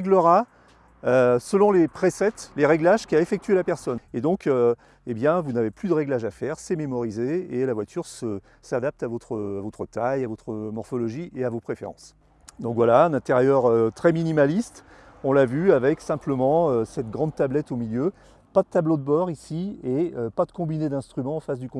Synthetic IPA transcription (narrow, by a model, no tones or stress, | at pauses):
ɡləʁa | øsəlɔ̃lepχesɛt̪leʁɛɡlaʒkʲiaefɛk̚t̪yelapɛʁsɔned̪ɔ̃kø | ebjɛ̃vunaveplyd̪əʁɛɡlaʒafɛʁsɛmemɔʁizeelavwat̪yʁsə | sad̪ap̚t̪avɔt̪χəavɔt̪χət̪ajavɔt̪χəmɔʁfɔlɔʒiʔeavopχefḛʁɑ̰̃s | d̪ɔ̃kvwalaɛ̃nɛ̃t̪eʁjœʁøt̪χɛminimalist̪ | ɔ̃lavyavɛksɛ̃pləmɑ̃øsɛt̪ɡʁɑ̃d̪̚t̪ablɛt̪omiljø | pad̪ət̪ablod̪əbɔʁisieøpad̪əkɔ̃bined̪ɛ̃st̪χymɑ̃ːfasd̪ykɔ̃